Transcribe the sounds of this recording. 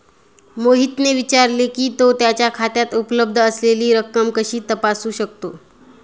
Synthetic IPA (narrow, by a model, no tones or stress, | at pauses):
moɦit̪neʋit͡ɕaɾlekiːt̪ot̪jat͡ɕjakʰat̪jat̪upləb̚d̪ʱəəsleliːɾəkːəmkəɕiːt̪əpasuːɕək̚t̪o